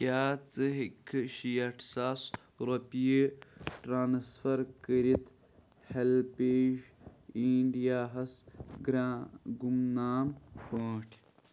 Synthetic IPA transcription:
kaːt͡sɨɦikʰʃijɐʈsaːs | ɾopiiʈɾaːnsfɐɾkəɾit̪ | helpeːʒiɳɖijaːɦɐsɡɾaɡumnaːmpəːʈʰ

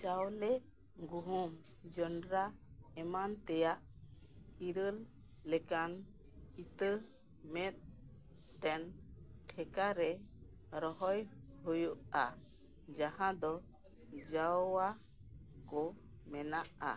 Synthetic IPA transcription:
t͡ʃawlɛ | ɡuɦum | d͡ʒɔɳɖɾaɛmant̪ɛjaʔ | iɾəlː | ɛkan | it̪ə | mɛt̪̚ | t̪ɛnʈʰɛkaɾɛ | ɾɔɦɔjɦujuʔa | d͡ʒahãd̪ɔ | d͡ʒawa | kɔ | mɛnaʔa̰

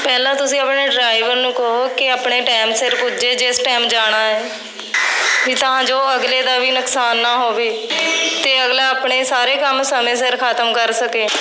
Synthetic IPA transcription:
pɛːlãːt̪ʊsĩːəpɳeːɖɾaːiʋəɾnũːkəɦoːkɪaːpɳeːʈaːmsɪɾpʊd͡ʒeːd͡ʒɪsʈɛːmd͡ʒaːɽ̃aːɛː | kit̪əɦãːd͡ʒoːəɡleːd̪aːʋiːnʊksaːnːaːɦoːʋeːt̪eːəɡlaːaːpɳeːsaːɾeːkəmsəmẽːsɪɾkʰaːt̪əmkəɾsəkeː

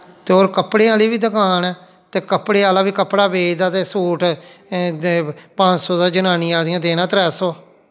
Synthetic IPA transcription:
t̪eːoːɾkəpɽeːaːliːbiːd̪əkaːnɛː | t̪eːkəpɽeːaːlaːbiːkəpɽaːbeːd͡ʒd̪aːt̪eːsuːʈ | pãːd͡ʒsɔːd̪aːd͡ʒənaːnɪːãːd̪ɪjãːd̪eːnãːt̪ɾɛːsoː

